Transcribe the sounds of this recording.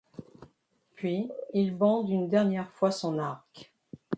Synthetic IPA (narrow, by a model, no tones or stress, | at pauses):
pɥiilbɑ̃d̪ynd̪ɛʁnjɛʁfwasɔ̃naʁk